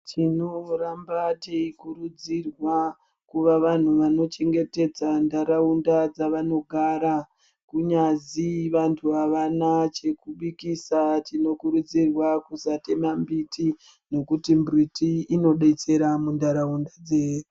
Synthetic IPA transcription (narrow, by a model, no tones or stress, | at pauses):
tʰinoɾambateikuɾud͡zirwa | kuʋaʋan̤uʋano̞t͡ʃe̞ŋɡe̞te̞d͡zandaɾaundad͡zaʋano̞ɡʱaɾa | kuɲaziʋantʰuaʋanat͡ʃe̞kuɓikisatino̞kuɾud͡zirwakusate̞mambitʰi | no̞kutimbritiino̞ɗe̞t͡se̞ɾamundaɾaundad͡zeje